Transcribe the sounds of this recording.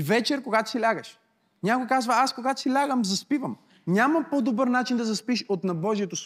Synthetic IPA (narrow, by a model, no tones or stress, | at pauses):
vɛt͡ʃɛɾkoɡat̪o̥silʲaɡəʃ | nʲakojkazvɐaskoɡat̪o̥silʲaɡəmzɐspivəm | nʲamɐpod̪obəɾnat͡ʃind̪ɐzɐspiʃot̪nɐbɔʒiɛt̪os